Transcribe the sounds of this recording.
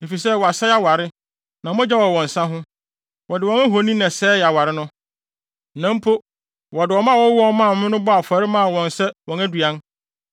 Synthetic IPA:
e˨fi˨sɛ˦˨wɔ˨a˨sɛ˦a˦wa˨ɾɪ˦ | nã˨˦ɔ̃˦d͡ʑa˦wɔ˨wɔ̃˨n˨sã˦ɦʊ̃˦ | wɔ˨dɪ˨wɔ̃˦næ˦ɦo˨˦nĩ˦nã˨sɛː˦˨a˨wa˨ɾɪ˦nʊ̃˦ | nã˦m˦pʰo˦ | wɔ˨dɪ˨wɔ˨mã˦˨wɔ̃˦wɔ˦mã˦˨˦ɪ̃˦nʊ̃˦bɔ˦a˨fa˨ɾɪ˦mã˦a˨wɔ̃˨n˨sɛ˦wɔ̃˨næ˦du˨a˦n

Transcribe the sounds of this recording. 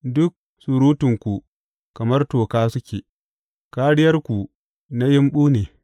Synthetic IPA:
dʊ˦k̚ | sʊ˨ɾuː˦tʊ˨ŋkʷu˨ | kɐ˨mɐ˦rtoː˨kaː˦sʊ˦kʲeː˨ | kaː˦ɽɪ˦jɐ˦rkʷu˨ | na˦jɪ˦mɓuː˦neː˨

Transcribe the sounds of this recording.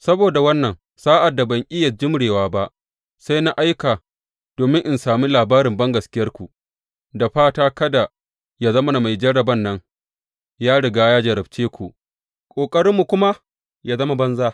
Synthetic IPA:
sɐ˦boː˨da˨wɐ˦nːɐ˨ŋ | saː˦ʔa˨dːa˨bɐ˨ŋʔʲʼɪ˦jɐ˨d͡ʒɪ˦mɽeː˨waː˦ba˦ʔ | sa˦jna˦ʔa˦jkaː˨ | d̥oː˨mɪ̃˦ŋʔɪ˨nsaː˨miː˦laː˨baː˦ɾɪ˨mbɐ˦ŋɡɐ˨skʲɪ˦jɐ˦rkʷu˨ʔ | da˨ɸaː˦taː˦kɐ˦da˨ | ja˦zɐ˦ma˦na˨ma˨jd͡ʒɐ˦ɽːɐ˨bɐ˦nːɐ˦ŋ | jaː˦ɽɪ˨ɡaː˦jaː˦d͡ʒɐ˨ɾɐ˨bt͡ʃeː˦kʷu˨ʔ | kʷʼoː˨kʼɐ˦ɽɪ˦mːu˨kʷʊ˦ma˦ | jaː˦zɐ˦ma˦bɐ˦nzaː˦

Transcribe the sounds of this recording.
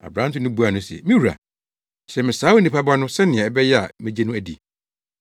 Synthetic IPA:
a̰˨bɾã˦n˦tʰʊ̃˦nʊ̃˦bu˦a˨nʊ̃˦sɛ̰˨mĩ˦wu˨ɾa̰˨ | ɕɛ˨mɪ̃˨saː˦wo˦nĩ˨pʰa˦ba˦nʊ̃˦sɛ˦nɪ̃˨ã˨ɛ˨bɛ˦jɛ˦a̰˨mɛ̃˦d͡ʑe˦nʊ̃˦æ˨dḭ˨

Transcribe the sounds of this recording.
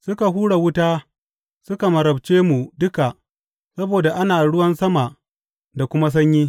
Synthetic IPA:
sʊ˦ka˨ɦuː˦ɽa˨wʊ˦taː˦ | sʊ˦ka˨mɐ˨ɾɐ˨b̚t͡ʃeː˦mu˨dʊ˦ka˨ʔ | sɐ˦boː˨da˨ʔa˦naː˨ɽʊ˦wɐ˦nsɐ˦ma˨ʔ | da˨kʷʊ˦ma˦s̬ɐ˦ɲjiː˦

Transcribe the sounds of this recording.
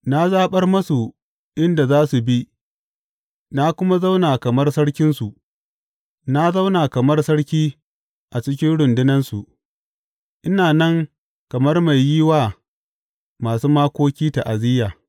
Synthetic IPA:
na˦zaː˦ɓɐ˦rmɐ˦su˨ | ʔɪ˦nda˨zaː˦su˨bi˦ʔ | na˦kʷʊ˦ma˦za˦wnaː˨kɐ˨mɐ˦rsɐ˦ɽkʲɪ˦nsu˨ʔ | na˦za˦wnaː˨kɐ˨mɐ˦rsɐ˦ɽkʲiː˦ | ʔa˨t͡ʃɪ˦kʲɪ˦nɽʊ˨ndʊ˦nɐ˦nsu˨ʔ | ʔɪ˦naː˨nɐ˦ŋ | kɐ˨mɐ˦rma˨jːiː˦waː˨ | maː˨suː˦maː˦kʷoː˦kʲiː˦ta˨ʔa˨zɪː˦jaː˨

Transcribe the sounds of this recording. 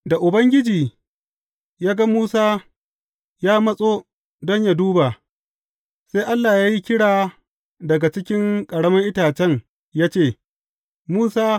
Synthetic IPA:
da˨ʔʊ˨bɐ˦ŋɡʲɪ˦d͡ʒiː˨ | jaː˦ɡa˦muː˦saː˦ | jaː˦mɐ˦sʼoː˦ | dɔ˦ɲja˦duː˦ba˨ | se˦jʔa˦lːaː˨jaː˦ji˦kʲɪ˦ɽaː˨ | dɐ˨ɡa˨t͡ʃɪ˦kʲɪ˦ŋkʼɐ˨ɽɐ˦mɐ˦ŋʔɪ˦taː˨t͡ʃɛ˦ŋ | jaː˦t͡ʃeː˦˨ | muː˦saː˦

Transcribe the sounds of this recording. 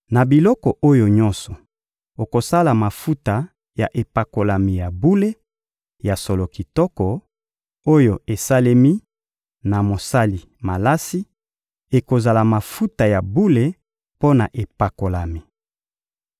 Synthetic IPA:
na˨bi˨lɔ˦kɔ˨ʔo˦jo˨ɲɔ̃˦nsɔ˨ | o˨ko˨sa˦la˨ma˨fu˦ta˨ | ja˨ʔe˨pa˨ko˨la˨mi˨ja˨bu˦le˦ | ja˨so˨lo˨ki˨tɔ˦kɔ˨ | o˦jo˨e˨sa˦le˦mi˦ | na˨mo˨sa˦li˨ | ma˨la˦si˦ | e˨ko˨za˨la˨ma˨fu˦ta˨ja˨bu˦le˨ | po˦na˨ʔe˨pa˨ko˨la˨mi˨

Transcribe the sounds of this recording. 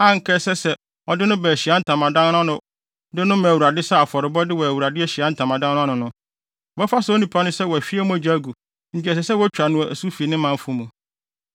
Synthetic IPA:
ã˦ŋ̩˨kʰɛ˦sɛ˦sɛ˨ | ɔ˨dɪ˦nʊ̃˦bɛ˨ɕi˨a˦n̩˦tʰã˨mã˨dã˦n˦ñ˦a˦nʊ̃˨ | dɪ˦nʊ̃˦mã˨wu˨ɾa˨dɪ˦sa˦a˨fɔ˨ɾɪ˨bɔ˦dɪ˦wɔ˨æ˨wu˨ɾa˨dɪ˦ɛ˦ɕi˨a˨˦n̩˦tʰã˨mã˨dã˦n˦ʊ̃˦a˦nʊ̃˨nʊ̃˦ | wɛ˦fa˦so˦nĩ˨pʰa˦nʊ̃˦sɛ˦wɔ˨æ˨fi˦ɛ˦mũ˦æ˨d͡ʑa˦ɡu˨ | ɲ̩˨t͡ɕɪ˨˦ɛ˨s̬ɛ˨sɛ˦wɔ˦t͡ɕᶣɾa˨nʊ̃˦˨ʔæ˨su˦fi˨e˨nɪ̃˦mã˨m˦fũ˨˦mũ˨

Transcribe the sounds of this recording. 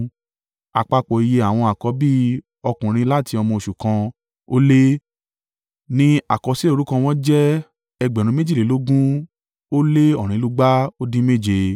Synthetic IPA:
a̰˨k͡pa˧k͡pɔ˨i˨˧je˧˦a˨w̃ɔ̃˧a˨kɔ˨˦bi˦ | ɔ˧kũ˨ɾ̃ĩ˧˦la˦˨ti˧ɔ˧mɔ̃˧o˧˨ʃu˨kã˧ | o˦le˦ | nĩ˦a˨kɔ˨˧˦si˦o˦˧ɾu˦kã˧w̃ɔ̃˦d͡ʒɛ˦ | ɛ˧ɡ͡bɛ˨ɾ̃ũ˧˦me˦d͡ʒi˦˨e˨˦lo˦ɡũ˦ | o˦le˦ɔ˦˨ɾ̃ĩ˨˦lu˦ɡ͡ba˦o˦dĩ˦me˦˨d͡ʒe˧

